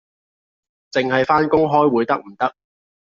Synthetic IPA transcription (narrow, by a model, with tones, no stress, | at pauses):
t͡sɪ˨ŋɦɐ˨jfaː˥nkʊ˥ŋɦɔː˥jwuː˨˧jt̪ɐ˥k̚m̩˨˩t̪ɐ˥k̚